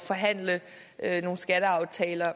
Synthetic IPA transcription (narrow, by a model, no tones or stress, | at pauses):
fɒ̽ɦæn̰lə | øno̝ːn̩sɡ̥æɾəɑ̈ʊt͡sʰɛːlɐ